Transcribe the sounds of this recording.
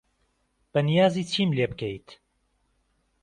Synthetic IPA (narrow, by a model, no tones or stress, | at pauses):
b̥ɐnijaːziːt͡ʃʰiːmleːbɨkʰejt̪